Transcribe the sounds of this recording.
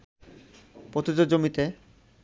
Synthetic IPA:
pɾot̪id͡ʑod͡ʑomit̪e

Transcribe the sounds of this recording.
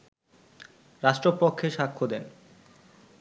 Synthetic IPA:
ɾaʃʈɾopokʰːeʃakʰːod̪en

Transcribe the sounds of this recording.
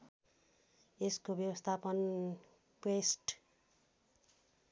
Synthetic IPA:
eskobjʌwʌst̪ʰapʌn | kesʈ

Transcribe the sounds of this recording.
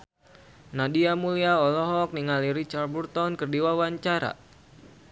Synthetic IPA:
nadiamuliaɔlɔɦɔk̚niŋaliɾit͡ʃard̚burt̪ɔnkərdiwawaɲt͡ʃaɾa̰

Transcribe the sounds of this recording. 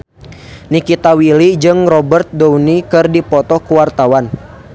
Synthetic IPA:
nikit̪awilid͡ʒɨŋrɔbərt̪̚dɔwnikɨrdipɔt̪ɔkuwart̪awan

